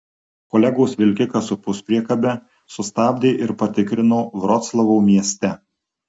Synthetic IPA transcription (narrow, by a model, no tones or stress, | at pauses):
kɔlʲɛɡoːsʋʲɪlʲkʲɪkɐsʊpʊspʲɾʲiɛkɐbʲɛ | sʊst̪ɑːbʲd̪ʲeːʔɪɾpɐt̪ʲɪkɾʲɪnoːʋɾɔt̪slˠɐʋoːmʲiɛsʲt̪ʲɛ